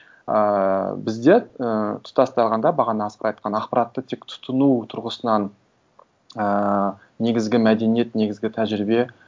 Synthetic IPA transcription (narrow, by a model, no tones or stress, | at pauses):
əbɪzd̪e̞ət̪ʰʊ̥t̪ɑst̪ɑlˠʁɑnd̪ɑbɑʁɑnəɑsqəɾɑjt̪̚qʰɑnɑqpɑɾɑt̪ːət̪ʰekt̪ʰʊ̥t̪ənut̪ʰʊɾʁəsənɑn | əː | e̞ɡʲɪzɡʲɪmæd̪e̞nije̞t̪ne̞ɡʲɪzɡʲɪt̪ʰæʒɾɪbe̞